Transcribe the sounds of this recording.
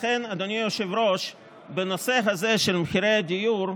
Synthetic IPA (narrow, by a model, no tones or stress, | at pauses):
χenad̪onijoʃevɾo̞ʃ | benoseɦaze̞ʃelmeχiɾejad̪ijuɾ